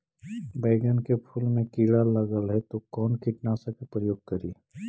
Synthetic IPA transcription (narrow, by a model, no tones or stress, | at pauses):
bɐɪɡənkepʰulmẽkiːɽalɐɡəlɦɛt̪okɔːnkɪʈnasakepɾəjoːɡ̚kɐɾiː